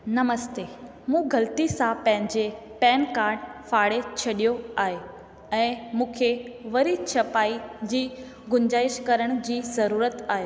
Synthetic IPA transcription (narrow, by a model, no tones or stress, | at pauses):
nɐməst̪eː | mũːɡɐlt̪isãpɐ̃ɦɪ̃ɲd͡ʑepɛːnkaːɾɖfaːɽet͡ɕʰɐɗijoaːɦe | ɛ̃ːmũːkʰeʋɐɾit͡ɕʰɐpaːid͡ʑiː | ɡʊɲd͡ʑaːɪʃkɐɾəɽ̃d͡ʑiːzɐɾuːɾət̪aːɦeː